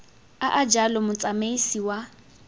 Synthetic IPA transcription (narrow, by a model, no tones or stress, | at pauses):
aʔad͡ʒalɔmʊt͡sʼameisiwa